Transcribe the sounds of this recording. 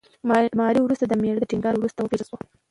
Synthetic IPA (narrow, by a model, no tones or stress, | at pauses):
mɑɾiwɾust̪ad̪əmeɽəd̪əʈiŋɡɑɾwɾust̪awəpeɾswa